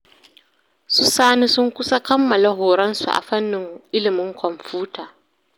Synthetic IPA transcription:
sʊ˦saː˦ni˦sʊ˦ŋkʷʊ˦sa˦kɐ˦mːɐ˨la˦ɦoː˨ɾɐ˦nsṵ˨ʔa̰˨ɸɐ˦nːɪ˨ŋʔɪ˦lɪ˨mɪ˦ŋkʰɔ˨mɸuː˦tʰaː˨

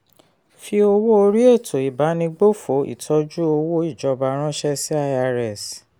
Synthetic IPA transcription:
fi˧o˧wo˦o˧ɾi˦e˦˨tʰo˨i˨ba˨˦nĩ˧ɡ͡bo˦fo˨˦ḭ˦˨tʰɔ˧˦d͡ʒu˦o˧wo˦i˦˨d͡ʒɔ˧ba˧ɾ̃ã˦ʃɛ˦si˦a˦˧a˧ɾɛ˦˨s

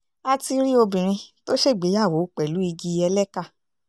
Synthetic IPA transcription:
a˧ti˧ɾi˦o˧bĩ˨ɾ̃ĩ˧to˦ʃe˦˨ɡ͡be˨˦a˦˨wo˨˦˨k͡pɛ˨lu˨˦i˧ɡi˧ɛ˧lɛ˦ka˦˨

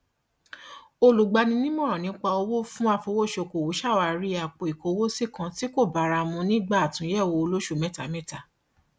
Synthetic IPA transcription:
o˧lu˨ɡ͡ba˧nĩ˧nĩ˦m˦ɔ̃˦˨ɾ̃ɔ̃˨nĩ˨˦k͡pa˧o˧wo˦fũ˦a˦˧˨fo˧˦wo˦˨ʃo˧˨ko˨wo˨˦ʃa˦˨wa˨ɾi˦a˨k͡po˨i˨ko˨˧wo˦si˦˨kã˨˧ti˦ko˦˨ba˨˦ɾa˧mũ˧nĩ˦ɡ͡ba˦a˨tũ˨˦jɛ˦˨wo˧o˧lo˦ʃu˦˨mɛ˦˨ta˨mɛ̃˦ta˨

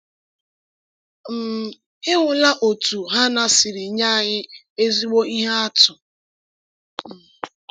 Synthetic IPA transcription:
m̩˨ | ɪ˦ŋʷʊ˨la˦ʔo˨tu˨ɦa˦na˦sɪ˨ɾɪ˨ɲa˦˨ɲɪ˦ | e˦zi˦ɡ͡bo˦i˦ɦa˦a˦tʊ˨

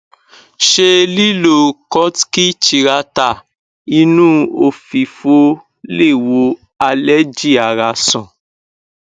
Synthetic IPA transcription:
ʃe˧li˦lo˦˨kɔ˦tki˦t͡ʃi˧ɾa˧ta˨ | i˧˦nũ˦o˧fi˨fo˧˦ | le˦˨wo˧˦ | a˧lɛ˦d͡ʒi˦˨a˨ɾa˧sɔ̃˨

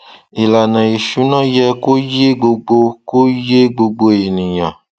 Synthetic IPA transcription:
e˨la˨nã˨je˨ʃu˨˦nã˦jɛ˦ko˦je˦ɡ͡bo˧ɡ͡bo˦ko˦je˦ɡ͡bo˨ɡ͡bo˦e˨nĩ˨ɲã̰˨

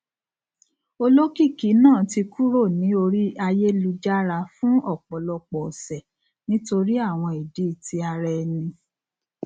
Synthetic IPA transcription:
o˧lo˦ki˦˨ki˨˦nãː˦˨ti˧kʰu˦ɾo˦˨nĩ˨˦o˧ɾi˦a˧je˦lu˧d͡ʒa˦ɾa˧fũ˦ɔ˦˨k͡pɔ˨lɔ˧k͡pɔ˨sɛ˨ | nĩ˦to˧ɾi˦a˦˨w̃ɔ̃˧i˨di˨˦i˦˨ti˧a˧ɾɛ˧nĩ˧

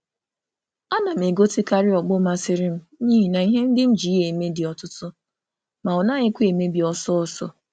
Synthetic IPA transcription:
a˦na˨m̩˨e˨ɡo˦ti˦ka˦ɾɪ˦ɔ˨ɡ͡bʊ˦ma˦sɪ˦ɾɪ˦m̩˦ | ɲiː˦ɦi˨na˨i˦ɦe˦n̩˦dɪ˦n̩˦d͡ʒi˨˦e˨me˦dɪ˨ɔ˨tʊ˦tʊ˦ | ma˨ɔ˨na˦ɲɪ˦kʷe˨me˦bi˨ɔ˦sɔ˦ɔ˦sɔ̰˦

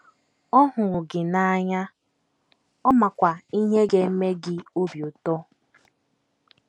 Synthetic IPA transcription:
ɔ˦ɦʊ˨ɾʊ˨ɡɪ˨na˦ɲa˦ | ɔ˦ma˨kʷa˨i˦ɦe˦ɡe˨˦me˦ɡɪ˨o˦bjo˨tɔ˦

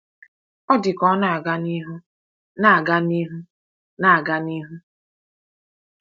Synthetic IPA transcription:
ɔ˦dɪ˨kɔ˦na˨a˨ɡa˦ni˦ɦu˦ | na˦˨a˨ɡa˦ni˦ɦu˦ | na˦˨a˨ɡa˦ni˦ɦu˦

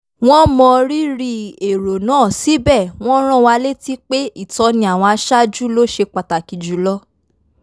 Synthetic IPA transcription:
w̃ɔ̃˦mɔ̃˧ɾi˦ɾi˧e˨ɾo˨nãː˦˨si˨˦bɛ˦˨w̃ɔ̃˦ɾ̃ɔ̃˦˨wa˧le˦ti˦k͡pe˦i˦˨tɔ˧˦nĩ˧a˨w̃ɔ̃˧a˧ʃa˦d͡ʒu˦lo˦ʃe˧k͡pa˨ta˨ki˨d͡ʒu˨˦lɔ˦

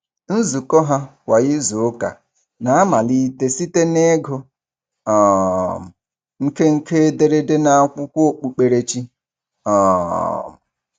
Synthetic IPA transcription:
n̩˦zu˨kɔ˦ɦa˦wʷa˨ɣɪ˦zo˨˦ka̰˨ | na˨a˦ma˨li˦te˦si˦te˦ne˦ɡʊ˦ | ɔ˨m̩˨ | ŋ̩˦ke˦ŋ̩˦ke˦de˦ɾe˦de˦na˨a˨kʷʊ˦kʷo˦k͡pu˨k͡pe˨ɾe˦t͡ʃi˦ | ɔ˨m̩˨

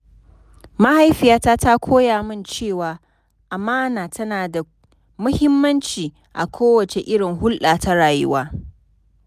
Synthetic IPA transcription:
ma˦ha˦jɸɪ˨jaː˦taː˦ta˦kʷʰoː˦jaː˨mɪ˦nt͡ʃeː˦˨waː˨ | ʔa˨maː˦naː˨tɐ˦naː˨da˨ | mʊ˦hɪ˦mːɐ˦nt͡ʃiː˨ | ʔa̰˨kʷʰoː˦wɐ˨t͡ʃe˨ʔɪ˦ɽɪ˨ŋhʊ˦lɗaː˨ta˦ɽaː˨jʊ̰˦waː˦

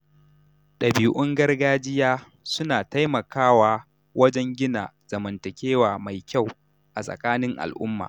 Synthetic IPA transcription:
ɗɐ˨bi˨ʔʊ˦ŋɡɐ˦rɡaː˦d͡ʒɪ˦jaː˦ | sʊ˦naː˨ta˦jmɐ˨kaː˦waː˦ | wʔɐ˦d͡ʒɛ˦ŋɡʲɪ˦na̰ː˨z̥ɐ˨mɐ˨ntɐ˨kʲeː˦waː˨ma˨jkʲa˦˨w | ʔa˨sʼɐ̰˨kaː˦nɪ˦ŋʔa̰˨lʔʊ̰˦mːa̰ː˨

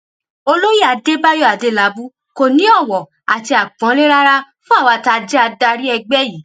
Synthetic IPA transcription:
o˧lo˦ji˦˨a˨˧de˦ba˦jɔ˦˨a˨de˦la˨˦bu˦ | ko˨nĩ˨˦ɔ˦˨wɔ˨ | a̰˨ti˧a˨ɡ͡bɔ̃˨˦le˦ɾa˦ɾa˦fũ˦a˦˨wa˧ta˧d͡ʒɛ˦a˧da˧ɾi˦ɛ˧ɡ͡bɛ˦ji˨˦

